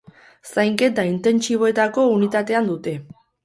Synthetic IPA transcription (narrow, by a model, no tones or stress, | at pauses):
sajŋke̞t̪aint̪e̞nt͡ʃiβ̞o̞e̞t̪ako̞unit̪at̪e̞and̪ut̪e̞